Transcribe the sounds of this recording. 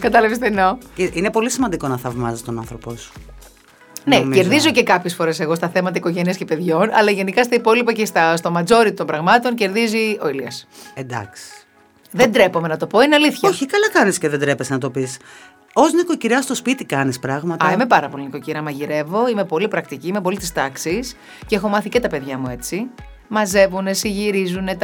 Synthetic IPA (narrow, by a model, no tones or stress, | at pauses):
kɐt̪ɐlɐvist̪enoceʔinepo̞lisimɐnd̪iko̞nɐθɐvmɐzit̪onɐ̰nθɾo̞posu̥ | nece̞ɾðizo̞ce̞kɐpçe̞sfo̞ɾe̞se̞ɣo̞st̪ɐθe̞mɐt̪ɐiko̞ʝeniɐscepe̞ðʝo̞nɐ̰lɐʝe̞nikɐst̪ɐipo̞lipɐcest̪ɐst̪o̞mɐd͡zo̞ɾit̪o̞mbɾɐɣmɐt̪o̞nce̞ɾðizio̞iliɐsend̪ɐ̰ksi̥ | ðe̞nd̪ɾe̞po̞me̞nɐt̪o̞po̞ineɐliθçɐoçikɐlɐkɐnisceðend̪ɾepesnɐt̪o̞pis | ozniko̞ciɾɐst̪o̞spit̪ikɐnispɾɐɣmɐt̪ɐimepɐɾɐpo̞liniko̞ciɾɐmɐʝiɾe̞vo̞ime̞po̞lipɾɐk̚t̪iciimep̬o̞lit̪ist̪ɐksis | ceexo̞mɐθicet̪ɐpe̞ðʝɐmue̞t͡si | mɐze̞vune̞siʝiɾizune̞t̪